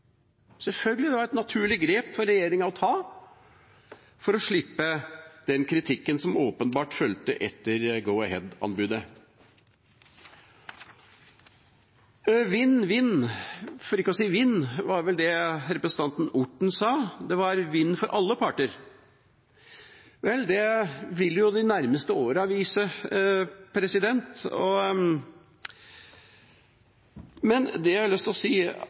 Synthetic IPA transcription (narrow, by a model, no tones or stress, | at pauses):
sɛlfœlɡəlɪd̪ɛʋɑɾɛt̪nɑt̪ʰʉːɭɪɡɾeːpfɔɾɛjeːɾɪŋɑɔt̪ʰɑː | fɔɾɔʂɭɪpːəd̪̥ɛnkʰɾɪt̪ʰɪkːənsɔmoːpənbɑːʈfœlt̪əʔɛt̪ːəɾɡəʊəɦɛd̪ɑ̰nbʉd̪ə | ʋɪnːʋɪnːfɔɾɪkːəɔsiːʋɪnːʋɑɾʋɛld̪ɛɾɛpɾəsən̩t̪ɑnt̪n̩ʊʈːɳ̩sɑːd̪ɛʋɑɾʋɪnːfɔɾʔɑlːəpʰɑʈəɾ | ʋɛlːd̪ɛʋɪlːəjʊd̪ɪnæɾməst̪əoːɾəɑʋiːsə | pʰɾɛsɪd̪ɛnt̪ɔ̰ | mɛnd̪ɛlʏst̪lɔsiː